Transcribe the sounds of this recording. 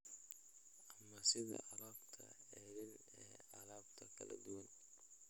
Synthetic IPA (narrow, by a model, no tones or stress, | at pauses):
ʔɐmɐsɪðɐ̰ɐlaːbt̪ʰɐ̰ɛːðɪn | ɛːɐlaːbt̪ʰɐkʰɐlɐ̰d̪ʊwɐn